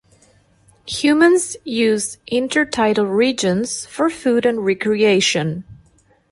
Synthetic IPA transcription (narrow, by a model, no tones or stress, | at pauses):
hjʉmə̃nzjʉzʔɪ̃ntʰə˞tʰaɪɾl̩ˠɹid͡ʒə̃nz̥fə˞fuɾɨ̃nɹɛkʰɹieɪʃɨ̃n